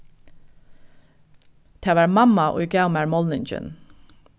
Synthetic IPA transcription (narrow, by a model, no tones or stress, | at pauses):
t̪ʰeːʋɑːɹmɑmɑʔṵʏɡɑʊmæɹmɔlnɪnd͡ʒə̰n